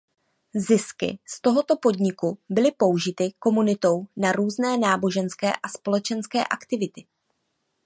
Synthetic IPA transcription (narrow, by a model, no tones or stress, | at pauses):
zɪskɪ̰st̪o̞ɦo̞t̪o̞po̞dɲɪkubɪlɪpo̞wʒɪt̪ɪko̞munɪt̪o̞wnaɾuːznɛːnaːbo̞ʒɛnskɛ̰ːʔaspo̞lɛt͡ʃɛnskɛ̰ːʔakt̪ɪvɪt̪ɪ